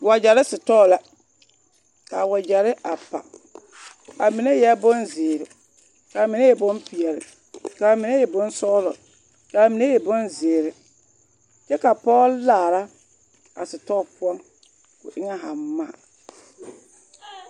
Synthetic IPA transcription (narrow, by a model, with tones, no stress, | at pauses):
wa˨d͡ʒa˨ɾɪ˦sɪ˨tɔː˦˨la˦ | ka˨wa˨d͡ʒa˨ɾɪ˦ʔa˨pa̰˨ | a˨mi˨ne˦jɛ˦bʊ˦nzɪ˨ɾɪ˨ | kaː˨mɪ˨ne˦jɛ˨bʊ˦mpi˨ɛ˨ɾɪ̰˨ | kaː˨mɪ˨ne˦jɛ˨bʊ˦n˦sɔː˦lɔ̰˨ | kaː˨mi˨ne˦jɛ˨bʊ˦nzɪː˨ɾɪ˨ | t͡ʃɛ˦ka˨pɔ˦llaː˦˨ɾa˦ | a˨sɪ˨tɔ˦˨pʊ˦ɔ˦ŋ | kʊ̰˨ʔɪ˦ŋɛ˦ɦa˨m˦ma˦˨